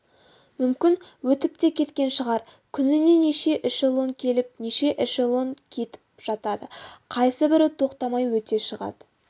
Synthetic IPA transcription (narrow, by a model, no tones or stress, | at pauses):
mʏmkʲɪnwɵt̪ɪp̚t̪e̞kʲʰe̞t̪kʲe̞nʃəʁɑɾ | kʲʰʏnɪne̞neʃe̞ʔɪʃelˠoŋkʲʰe̞lɪp̚neʃe̞ʔɪʃelˠo̞ŋkʲʰe̞t̪ɪ̥p̚ʒ̥ɑt̪ɑd̪əqʰɑjsəbɪɾt̪ʰo̞qt̪ɑmɑjwɵt̪e̞ʃəʁɑ̰d̪̥ə